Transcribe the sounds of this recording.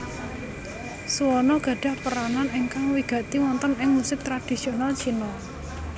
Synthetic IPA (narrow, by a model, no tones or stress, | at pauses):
suwɔnɔɡ̥ä̤ɖ̥a̤hpəɾananɪŋkaŋwiɡ̥ä̤t̪iwɔnt̪ənɪŋmusɪp̚t̪ɾad̥i̤sionalt͡ʃinɔ